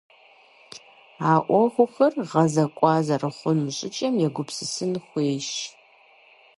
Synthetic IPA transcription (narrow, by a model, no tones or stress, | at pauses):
aːʔʷɔχʷʊxɐrʁɐzɐkʷʼɑːzɐrɨχʷʊmɕʼɪt͡ʃʼɐmjɛɡʷʊpsɨsɨnχʷeːʃ